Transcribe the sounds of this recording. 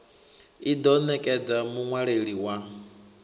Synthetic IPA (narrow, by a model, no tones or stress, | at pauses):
idɔnɛkʼɛd͡zamuŋwaɺeɺiwa